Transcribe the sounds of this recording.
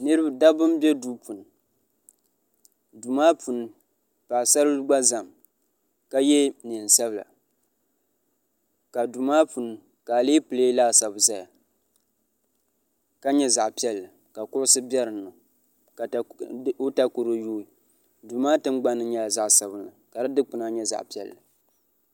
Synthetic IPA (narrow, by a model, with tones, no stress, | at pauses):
nɨ˦ɾɨ˦ba˨da˦bɨ˦m˦bɛ˦du˦pu˨n˨ | du˨maː˦pu˨n˦ | paː˨sa˦ɾɨ˦ɡ͡ba˦za˨m | ka˦jɛ˦ni˨n˨sa˦bɨ˨la̰˨ | ka˨du˨maː˦pu˨n˦ | ka˨leː˦pɨ˨leː˦laː˦sa˨bza˦ja˨ | ka˦ɲɛ˦za˨ʔpi˦ɛ˦lːɨ˨ | ka˨kʊ˦ʔʊ˦sɨ˦bɛ˦ɾɨ˨nːɨ˨˦ | o˦ta˦ko˨ɾo˦juː˦i˨ | du˨maː˦tɨ˦mɡ͡ba˦nːɨ˦ɲɛ˦a˨za˦ʔsa˨bɨ˦nlɨ˨ka˨dɨ˦dɨ˦k͡pɨ˨na˦ɲɛ˦za̰˨ʔpi˦ɛ̰˦˨lːɨ˨